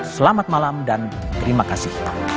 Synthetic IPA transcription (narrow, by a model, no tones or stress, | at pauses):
səlamat̪̚malamdan | t̪əɾimakasɪh